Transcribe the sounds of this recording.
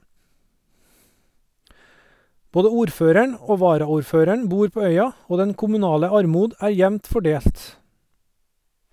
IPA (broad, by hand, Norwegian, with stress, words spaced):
ˈboːdə ˈuːɾˌføːɾəɳ ˈoː ˈʋɑːɾɑˌuːɾˌføːɾəɳ ˈbuːɾ ˈpoː ˈœʏɑ ˈoː ˈdɛn kʊmʉˈnɑːlə ˈɑɾˌmuːd ə ˈæː ˈjɛʋnt fɔˈɖeːlt